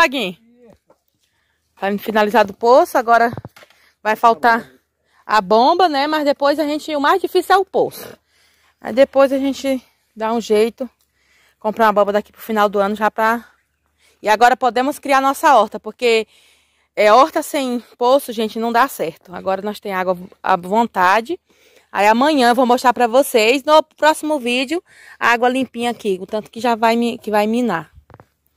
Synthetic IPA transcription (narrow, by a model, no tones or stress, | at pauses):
aɡĩ | afinalizaɾd̪ʊposʊaɡɔɾɐ | vajfawt̪a | ɐ̰bõmbɐnɛmɐzd̪epojzaʒẽnt͡ʃɪʊmajzd͡ʒifisiwɛʊposʊ̥ | a̰id̪epojzaʒẽt͡ʃɪ | d̪aũʒejt̪ʊ | kõmpɾaũɐbõbɐd̪aki̥pɾʊfinawd̪ʊɐ̃nʊʒapɾɐ | ɪaɡɔɾɐpod̪ẽmʊskɾianɔsɐɔɾt̪ɐpoɾke | ɛɔɾt̪ɐsẽj̃posʊʒẽnt͡ʃɪnɐ̃w̃d̪asɛɾt̪ʊa̰ɡɔɾɐnɔst̪ẽj̃aɡwɐɐ̰võnt̪ad͡ʒɪ | a̰iamɐ̃ɲɐ̃võw̃boʃt̪aɾpɾɐvosejsnʊpɾɔsimʊvid͡ʒɪʊ | aɡwɐlĩpĩɲɐakit̪ɐ̃nt̪ʊ̥kɪʒavajmikɪvajmĩna